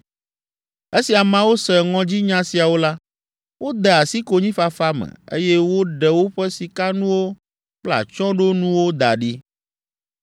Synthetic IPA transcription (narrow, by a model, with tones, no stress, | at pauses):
e˦si˨a˨mã˦wo˦sɛ˨ŋɔ̃˦d͡ʑi˦ɲã˦si˨a˨wo˦la˦ | wo˦d̪ɛ˨a˨si˦ko˨ɲĩ˦fa˨fa˦mɛ̰̃˨ḛ˦jɛ˦wo˦ɖɛ˨wo˦ɸɛ˦si˨ka˦nũ˦wo˦ | k͡pla̰˨t͡ʃɔ̃˦ɖo˦nũ˦wo˦d̪a̰˨ɖi˦